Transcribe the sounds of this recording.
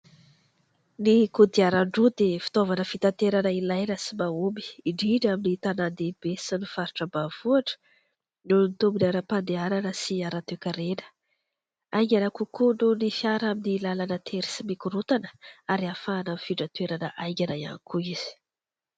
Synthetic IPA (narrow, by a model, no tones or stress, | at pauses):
nikud̪iaɾaɳɖ͡ʐud̪efi̥t̪ovanəfit̪ant̪eɾanəilajɾasimaumbi̥iɖ͡ʐiɖ͡ʐaminit̪anand̪ebesinifaɾi̥ʈ͡ʂəbav̥uaʈ͡ʂə̥ | nulunit̪ombinaɾapand̪eaɾanəsiaɾat̪ekʲəɾenə̥ | ajŋɡʲanəkukununifjaɾaminilalanət̪ʰeɾi̥simikuɾut̪anə̥aɾiafaːnanfiʈ͡ʂət̪uweɾanəʔajŋɡʲanaja̰nikuiz̥i̥